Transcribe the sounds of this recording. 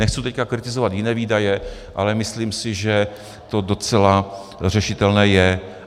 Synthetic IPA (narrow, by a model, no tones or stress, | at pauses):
nɛxt͡sut̪ɛckakɾɪt̪ɪzovat̪jɪnɛːviːdajɛʔa̰lɛmɪsliːmsɪʒɛ | t̪o̞do̞t͡sɛla | r̝ɛʃɪt̪ɛlnɛːjɛ